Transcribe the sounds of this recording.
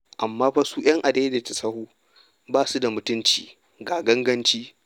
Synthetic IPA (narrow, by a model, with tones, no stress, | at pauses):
ʔa˨mːaː˦ɸɐ˦suː˦j̰ɐ˦ŋʔa˨deː˦de˨tɐ˨sɐ˦huː˦ | baː˦su˦da˨mʊ˨tʊ˦nt͡ʃḭː˨ | ɡaː˨ɡɐ˦ŋɡɐ˦nt͡ʃiː˦